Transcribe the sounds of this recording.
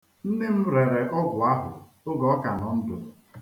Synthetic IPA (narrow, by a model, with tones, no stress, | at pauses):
n̩˦ne˦m̩˦ɾe˨ɾe˨ʔɔ˦ɡʷʊ˨a˦ɦʊ̰˨ | ʊ˦ɡɔ˦ka˨nɔ˨n̩˦dʊ̰˨